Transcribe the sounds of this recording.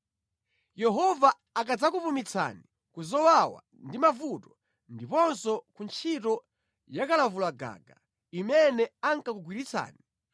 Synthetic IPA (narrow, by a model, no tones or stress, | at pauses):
jɛɦɔvaː | k̬ad͡zakupumit͡sʰa̰ni | kuzɔwawa̰ | ndimavutɔ | ndipɔnsɔkunt͡ʃʰitɔ | jakalavulaɡa̰ɡa | imɛnɛaŋkakuɡwiɾit͡sʰa̰ːni